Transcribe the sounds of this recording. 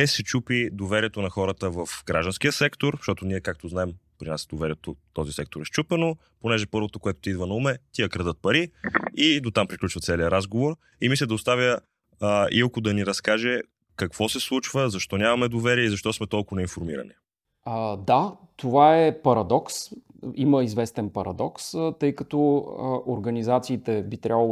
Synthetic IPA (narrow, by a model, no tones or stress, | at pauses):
ɛsɛt͡ʃupid̪ovɛɾiɛt̪onɐxɔɾət̪əvɐfɡɾaʒd̪ənskijəsɛkt̪oɾʃt̪ɔt̪oniɛkak̚t̪oznaɛmpɾinasd̪ovɛɾʲiɛt̪ot̪ɔzisɛk̚t̪oɾɛʃt͡ʃupɛno | ponɛʒɛpɤɾvot̪okoɛt̪ʊ̥t̪id̪vənɐumɛt̪iəkɾɐd̪ət̪̚pɐɾiid̪ot̪ampɾiklʲut͡ʃvət̪sɛliəɾazɡovoɾ | imislʲəd̪ɐoʊst̪avʲjə | ilˠkʊd̪ɐniɾɐskaʒɛ | kɐkv̥ɔsɛslˠut͡ʃvəzɐʃt̪ɔnʲamɐmɛd̪ovɛɾiɛizɐʃt̪ɔsmɛt̪ɔlˠkʊvonɛinfoɾmḭɾɐ̰ni | d̪at̪ovaɛpɐɾɐd̪ɔksiməizvɛst̪ɛnpɐɾɐ̰d̪ɔkst̪ɤjkɐt̪ɔʔoɾɡɐnizat̪siːt̪ɛbit̪ɾʲabvəlˠ